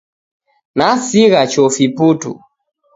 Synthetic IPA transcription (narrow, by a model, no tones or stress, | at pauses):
nasiɣat͡ʃɔfiputṵ